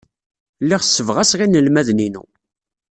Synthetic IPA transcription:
liʁsːəvʁæsʁinəlmæðninṵ

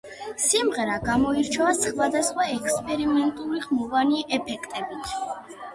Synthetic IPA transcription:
simʁɛɾaɡamɔiɾt͡ʃʰɔasχvad̪asχwaɛkʰspʼɛɾimɛnt̪ʼuɾiʁmɔvaniʔɛpʰɛkʰt̪ʼɛbit̪ʰ

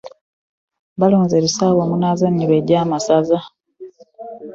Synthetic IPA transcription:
βaloːnzeβisaːβomunazaniβeɟaːmasaza

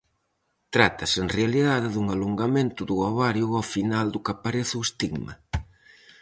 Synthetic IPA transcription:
t̪ɾat̪ɐseŋrealiðaðɪðuŋaluŋɡamẽnt̪ʊðuaβaɾjʊafinald̪ʊkapaɾeθuest̪iɣmɐ̰

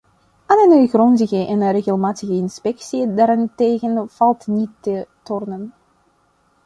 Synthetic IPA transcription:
ʔanənøjɣrɔnzəɣəʔɛnreɣəlˠmaːtəɣəɪnspɛksiədaːɾɪnteːɣənv̥ɑlˠtnitːətɔrnən

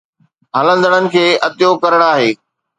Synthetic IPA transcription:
ɦɐlə̃nd̪əɽ̃ənɪ̆kʰeːʔɐt̪ɪjokɐɾəɽ̃aːɦeː

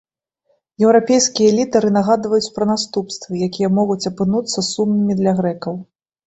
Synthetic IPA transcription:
jɛwɾapʲejskʲijɐɛlʲit̪ɐɾɨnaɣad̪vɐjut͡sʲpɾɐnast̪upst̪vɨjakʲijɐmɔɣut͡sʲɐpɨnut̪sːɐsumnɨmʲid̪lʲɐɣɾɛkɐw

